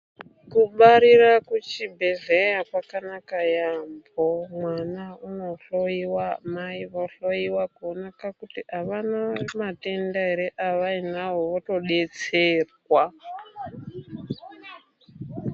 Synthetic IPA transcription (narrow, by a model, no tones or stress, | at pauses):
kuɓaɾirakut͡ʃibʱeɮejakwakanakajambomwanauno̞ɬoiwamaiʋoɬojiwakuonakakutiaʋanamatendaɦeɾeʔaʋainawoʋoto̞ɗet͡serwa